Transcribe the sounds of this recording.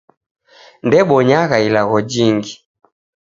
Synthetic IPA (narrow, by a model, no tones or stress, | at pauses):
ndɛɓɔɲaɣailaɣɔd͡ʒiŋɡi